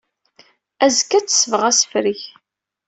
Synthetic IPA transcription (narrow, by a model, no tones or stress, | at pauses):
æzkːæt͡sːsəvʁæsfɾiç